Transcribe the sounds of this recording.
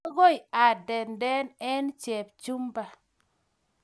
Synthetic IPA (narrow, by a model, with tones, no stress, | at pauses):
ɡo˦˨ja˨dɛ˨ndɛ˦nɛ˦nt͡ʃɛ˨p̚t͡ʃu˦mba˨